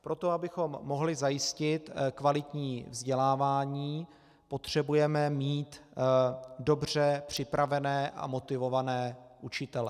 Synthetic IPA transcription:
pɾo̞t̪o̞abɪxo̞mːo̞ɦlɪzajɪscɪt̪kvalɪt̪ɲiːvzɟɛlaːvaːɲiː | po̞t̪r̝̥ɛbujɛmɛmiːt̪ | do̞br̝ɛpr̝̥ɪpɾavɛnɛːʔa̰mo̞t̪ɪvo̞vanɛːʔut͡ʃɪt̪ɛlɛ̰

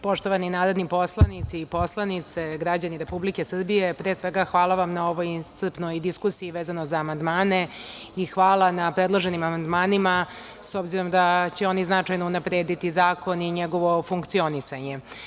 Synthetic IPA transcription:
po̞ʃt̪oʋaninaːɾo̞d̪nipo̞slˠanit̪sipo̞slˠanit̪se̞ɡɾad͡ʑaniɾe̞publikesr̩bijepɾeːsʋe̞ɡaxʋaːlˠaʋamnao̞ʋojinst̪r̩pnojd̪iskusijiʋeːzano̞zaːmand̪maːne̞ | ixʋaːlˠanapɾed̪lˠoʒe̞nimamand̪maːnima | so̞bziɾomd̪at͡ɕeo̞niznat͡ʂajnounapɾeːd̪it̪izaːko̞niɲeɡo̞ʋo̞fuŋkt̪sio̞nisaɲe̞

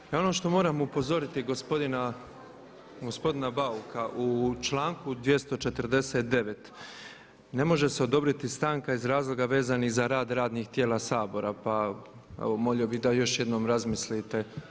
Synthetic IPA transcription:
o̞no̞ʃt̪o̞mo̞ːɾamupo̞zo̞ɾit̪iɡospo̞d̪ina | ɡo̞spo̞d̪inabaukʰaʔut͡ʃlˠaːŋkud̪ʋje̞st̪o̞t͡ʃe̞t̪ɾd̪e̞seːt̪̚d̪e̞ʋe̞t̪ | ne̞mo̞ʒe̞seo̞d̪o̞bɾit̪ist̪aːŋkaizɾaːzlˠo̞ɡaʋe̞ːzanixzaɾaːd̪ɾaːd̪nixt̪jeːlˠasaːbo̞ɾapa | ḛʋomo̞ʎobid̪ajo̞ʃje̞d̪no̞ːmɾazmislit̪e̞

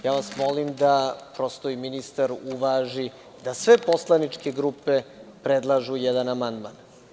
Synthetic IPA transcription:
jaːʋasmolimd̪apɾo̞st̪oiminist̪aɾuʋaʒi | d̪asʋe̞po̞slˠanit͡ʂkeɡɾupe̞pɾed̪lˠaʒujɛd̪anamand̪man

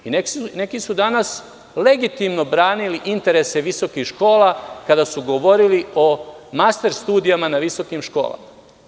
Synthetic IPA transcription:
inene̞kisud̪anas | le̞ɡit̪imno̞bɾaːniliʔint̪e̞ɾe̞se̞ʋiso̞kixʃko̞ːlˠakad̪asuɡoʋo̞ɾilio̞mast̪e̞ɾst̪uːd̪ijamanaʋiso̞kimʃko̞̰ːlˠa̰ma

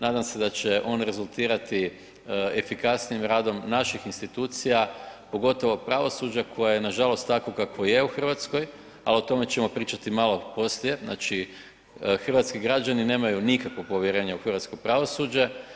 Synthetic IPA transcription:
naːd̪amse̞d̪at͡ɕe̞ʔo̞nɾe̞zult̪iːɾat̪i | efikasnijimɾaːd̪o̞mnaʃixinst̪it̪uːt̪sijapo̞ɡo̞t̪o̞ʋo̞pɾaʋo̞sud͡ʑakʰo̞jajenaʒalo̞st̪ːakokakʋo̞je̞uxr̩ʋat̪sko̞j | alio̞t̪o̞me̞t͡ɕe̞mo̞pɾiːt͡ʃat̪imalo̞po̞slije̞zna̰t͡ʃi | xr̩ʋat̪skiɡɾad͡ʒanine̞ːmajunikakʋo̞po̞ʋjeɾe̞ːɲauxr̩ʋat̪sko̞pɾaʋo̞sud͡ʑe̞

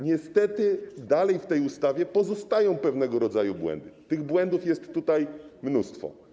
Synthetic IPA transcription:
ɲɛst̪ɛt̪ɘd̪alɛjft̪ɛjust̪avʲjɛpɔzɔst̪ajɔ̃w̃pɛvnɛɡɔɾɔd̪zajubwɛ̰nd̪ɘt̪ɘɣbwɛnd̪ufjɛst̪ːut̪ajmnust̪fɔ̰

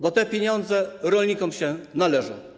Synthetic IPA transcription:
bɔt̪ɛpʲjeɲɔnd̪zɛɾɔlɲikɔmɕɛnalɛʐɔ̰̃w̃

